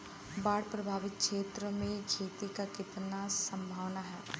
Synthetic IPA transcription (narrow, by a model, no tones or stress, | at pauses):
baːɽpɾəbʱaːʋɪt̪̚kʃeːt̪ɾəmẽkʰeːt̪ikakɪt̪nasə̃mbʱaːʋnaɦɛː